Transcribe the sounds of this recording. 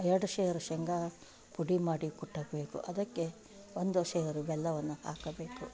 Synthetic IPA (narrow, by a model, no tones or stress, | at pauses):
ɛɾɐɽuʃeːjɐɾuʃɛŋɡaː | puɽimaːɽikuʈːɐɡbeːkṵʔɐd̪ɐkːe | ond̪uʃɛːjɐɾubɛlːɐʋɐnːuha̰ːkɐbeːku